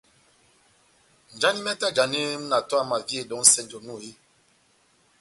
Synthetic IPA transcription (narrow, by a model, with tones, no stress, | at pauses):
n̩˨d͡ʒa˦ni˦mɛ˦ta˦˨d͡ʒa˨ni˦m˦na˨twa˦ma˨vje˦˨dɔ˨˦ŋ̩˦sɛ˦˨nd͡ʒɔ˨nu˦˨ji˦